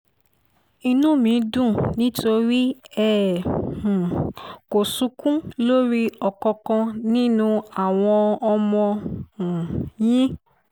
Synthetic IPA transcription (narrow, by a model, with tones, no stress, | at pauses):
i˧nũ˦˨mĩ˨˦dũ˦˨nĩ˦to˧ɾi˦ɛ˦˨h̩˨ko˨sũ˧˦kũ˦lo˦ɾi˦ɔ˨kɔ̃˧kã˧nĩ˦nũ˦a˨w̃ɔ̃˧ɔ˧mɔ̃˧ũ˨jĩ˦